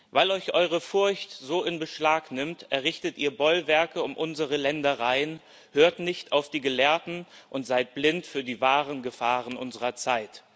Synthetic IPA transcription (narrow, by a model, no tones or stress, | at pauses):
vaɪlɔʏçʔɔʏʁəfʊɐçtz̥oːɪnbəʃlaːknɪmtʔɛɐʁɪçtətʔiːɐbɔlvɛɐkəʊmʔʊnzəʁəlɛndɐʁaɪən | høːɐtnɪçtaʊfd̥iːɡəlɛːɐtn̩ʔʊntz̥aɪt̚b̥lɪntfyːɐdiːvaːʁənɡəfaːʁənʔʊnzəʁɐt͡saɪt